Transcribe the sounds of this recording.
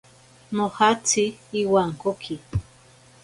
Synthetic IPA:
nohat͡sʰiːwaŋkokʰi

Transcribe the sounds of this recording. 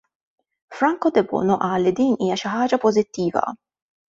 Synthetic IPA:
fɾɐŋkɔd̪ɛbɔ̰ːnɔʔɐːlːid̪iːniːjɐʃɪħɐːd͡ʒɐpɔzɪt̪ːiːvɐ̰

